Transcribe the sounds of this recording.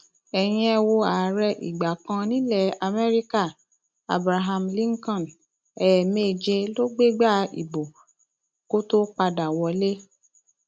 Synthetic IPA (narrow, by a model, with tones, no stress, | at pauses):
ɛ˨j̃ĩ˧ɛ˧wo˧a˨˦ɾɛ˧ʔḭ˨ɡ͡ba˨kã˧nĩ˦lɛ˦˨a˧mɛ˦ɾi˦ka˦˨ | a̰˨bɾa˧ɦa˧mlĩ˦ŋ˦kɔ̃˦˨n | ɛ˨me˦˨d͡ʒe˧lo˦ɡ͡be˦ɡ͡ba˦˨ḭ˨bo˨ | ko˦to˦k͡pa˧da˨wɔ˨˦le˦